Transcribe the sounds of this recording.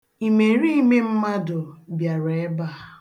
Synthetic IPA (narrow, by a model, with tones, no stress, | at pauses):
i˨me˨ɾi˦i˦me˦m̩˦ma˦dʊ˨bja˨ɾe˦ba˦˨